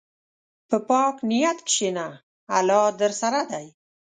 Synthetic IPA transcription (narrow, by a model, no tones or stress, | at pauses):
pəpɑːknijat̪kʃenaː | lɑːd̪əɾsaɾad̪aj